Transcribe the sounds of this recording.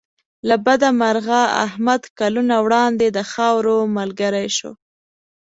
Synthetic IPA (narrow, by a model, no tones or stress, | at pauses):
labad̪amaɾɣaa̰hmad̪kalunawɽɑnd̪ed̪əxɑwɾomalɡəɾajʃo̰